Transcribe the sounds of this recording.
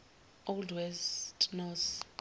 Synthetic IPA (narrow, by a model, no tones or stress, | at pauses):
oldwɛstʼnɔs